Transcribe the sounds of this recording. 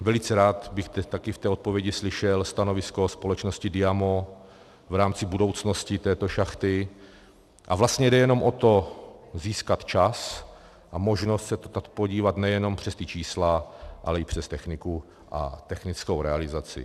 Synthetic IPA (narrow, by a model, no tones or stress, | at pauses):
vɛlɪt͡sɛɾaːt̪bɪxt̪ɛt̪akɪft̪ɛːot̪̚povjɛɟɪslɪʃɛlst̪anovɪskospo̞lɛt͡ʃnoscɪdɪjamo | vɾaːmt͡sɪbudo̞wt͡sno̞scɪt̪ɛːt̪oʃaxt̪ɪ | ʔa̰vlast̪ɲɛdɛjɛno̞mʔot̪o̞ziːskat̪t͡ʃas | ʔamo̞ʒnost̪sɛt̪ot̪at̪poɟiːvat̪nɛjɛno̞mpr̝̥ɛst̪ɪt͡ʃiːslaʔa̰lɛɪpr̝̥ɛst̪ɛxnɪku | ʔa̰t̪ɛxnɪt͡skowɾɛalɪzat͡sɪ̰